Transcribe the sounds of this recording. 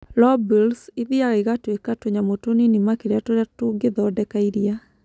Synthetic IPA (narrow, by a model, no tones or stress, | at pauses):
lɔbilsiðiaɣaiɣatwekatoɲamotoninimakeɾeatoɾatoŋɡeðɔdɛkaiɾia